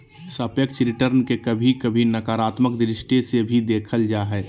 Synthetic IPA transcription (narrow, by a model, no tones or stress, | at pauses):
səpjək̚t͡ʃɾɪʈəɾnkekəbʱikəbʱinəkaːɾaːt̪məkd̪ɾɪʃʈesebʱid̪eːkʰəld͡ʒaɦɛː